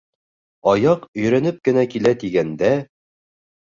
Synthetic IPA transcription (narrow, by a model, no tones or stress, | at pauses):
ɑjɑqɵ̆jɾænɘp̚kɘ̆nækilæt̪iɡænd̪æ